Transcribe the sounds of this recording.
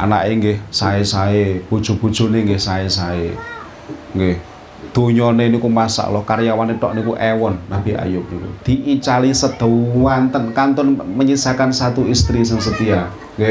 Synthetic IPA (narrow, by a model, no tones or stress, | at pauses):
ʔa̰na̰ʔeŋɡɪhsaesaeb̥o̤d̥ʒ̥o̤b̥o̤d̥ʒ̥o̤neŋɡɪhsaesae | ŋɡeh | d̪̥oɲɔnenikumasa̰ʔlɔhkaɾjawaneʈ̪ɔ̰ʔnikuʔɛwɔnːab̥i̤a̰jʊk̚nikṵd̪̥i̤ʔit͡ʃalisəd̪̥o̤wwant̪ənkant̪ɔnməɲisakansat̪uist̪ɾisəŋsət̪ia | ŋɡe